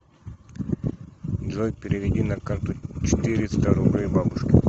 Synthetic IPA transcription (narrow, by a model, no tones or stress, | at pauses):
d͡ʒojpʲɪɾʲɪʋʲɪdʲinɐkant̪ʊt͡ɕɪ̥t̪ɨɾʲɪst̪aɾʊblʲejbabʊʂkʲɪ